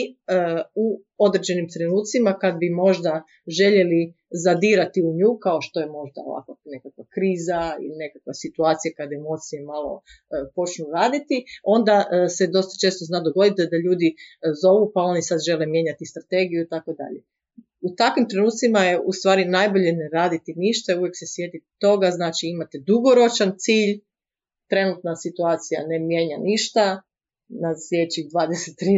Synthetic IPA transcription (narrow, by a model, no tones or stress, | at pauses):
u | o̞d̪ɾed͡ʑe̞nimt̪ɾenuːt̪t̪simakad̪̚bimo̞ʒd̪a | ʒe̞ʎe̞li | zad̪iːɾat̪iuɲuːkao̞ʃt̪o̞jemo̞ʒd̪a̰o̰ʋa̰kane̞kakʋakɾiːzaḭline̞kakʋasit̪uaːt̪sijakad̪emo̞t̪sijemalˠo̞̰ | po̞t͡ʃnuɾaːd̪it̪io̞nd̪ase̞d̪o̞st̪ḁt͡ʃest̪oznad̪oɡo̞d̪it̪ed̪aʎuːd̪izo̞ʋupao̞nisad̪ʒe̞lemje̞ɲat̪ist̪ɾat̪e̞ɡijuit̪ako̞d̪a̰ʎe | ut̪akʋimt̪ɾe̞nuːt̪simajeust̪ʋaːɾinajbo̞ʎeneɾaːd̪it̪iniʃt̪auʋje̞kse̞sje̞d̪it̪o̞ɡaznaːt͡ʃiimat̪ed̪uɡo̞ɾo̞t͡ʃant̪siːʎ | t̪ɾe̞nut̪nasit̪uaːt̪sija̰ne̞mje̞ːɲaniʃt̪a | naslʲjet͡ɕid̪ʋaːd̪eset̪ːɾi